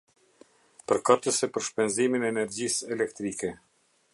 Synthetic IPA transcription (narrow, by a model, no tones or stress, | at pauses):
pəɾkat̪əsɛpəɾʃpɛnziminɛːnɛɾd͡ʑisɛlɛk̚t̪ɾikɛ